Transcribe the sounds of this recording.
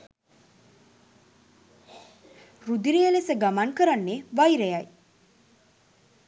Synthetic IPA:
rud̪iɾijəlesəɡamaŋkəɾanːeʋajɾejaj

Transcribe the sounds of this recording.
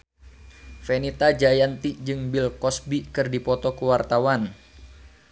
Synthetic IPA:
fenit̪ad͡ʒajant̪id͡ʒɨŋbilkɔsbikɨrdipɔt̪ɔkuwart̪awan

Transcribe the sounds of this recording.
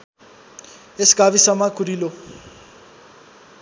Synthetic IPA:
esi̥ɡ̥ʱaβisamakʰʼuɾilo

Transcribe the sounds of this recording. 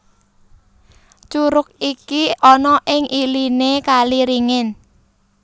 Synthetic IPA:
t͡ʃuɾʊk̚ikiɔnɔʔɪŋʔilinekaliɾiŋɪn

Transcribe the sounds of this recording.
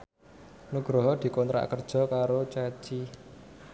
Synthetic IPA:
nuɡ̥ɾɔɦɔd̪̥i̤kont̪ɾa̰kərd̥ʒ̥ɔ̤kaɾot͡ʃat͡ʃi

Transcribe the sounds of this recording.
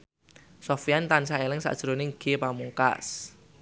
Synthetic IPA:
sɔfijant̪ansaelɪŋsa̰ʔd̥ʒ̥əɾonɪŋɡ̥epamuŋka̰s

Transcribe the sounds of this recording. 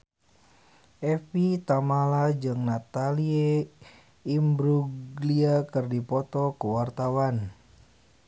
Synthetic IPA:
ʔɛfit̪amalad͡ʒɨŋnat̪alie | imbɾuɡliakɨrdipɔt̪ɔkəwart̪awan

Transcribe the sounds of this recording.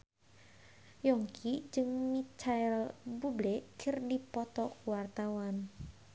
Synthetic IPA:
jɔŋkʰid͡ʒɨŋmit͡ʃaɛlbublɛkʰɨrdipɔt̪ɔkuwart̪awan

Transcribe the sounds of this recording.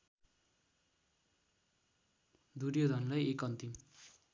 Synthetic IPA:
d̪uɾjod̪ʱʌnlajekʌnt̪im

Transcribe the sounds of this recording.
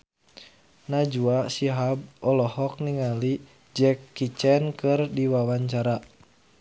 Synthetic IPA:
nad͡ʒuasiɦab̚ɔlɔhɔk̚niŋali | d͡ʒɛkːit͡ʃɛnkɨrdiwawaɲt͡ʃaɾa

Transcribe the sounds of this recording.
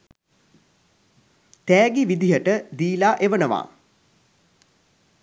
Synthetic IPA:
t̪ɛːɡiʋid̪ijəʈəd̪iːlaːʔeʋənəʋa̰ː

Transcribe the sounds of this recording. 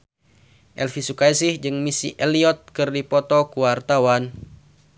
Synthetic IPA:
ʔɛ̰lfisukaisihd͡ʒɨŋmisiʔɛliɔt̪̚kɨrdipɔt̪ɔkuwart̪awan

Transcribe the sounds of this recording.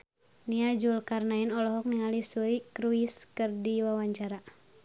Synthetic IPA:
niad͡ʒulkarnainɔlɔɦɔk̚niŋalisuikɾuiskɨrdiwawaɲt͡ʃaɾa

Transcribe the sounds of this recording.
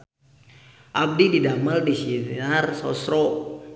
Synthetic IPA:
ʔap̚dididaməldisinarsɔ̰sɾɔ

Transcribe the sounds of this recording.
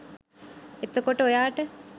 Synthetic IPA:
et̪okoʈəojaːʈə

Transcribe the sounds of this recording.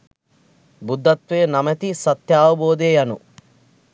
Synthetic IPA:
bud̪ʱːɐt̪ʋeːnɐmɐt̪isɐt̪jaːʋɐboːd̪eːjɐnu

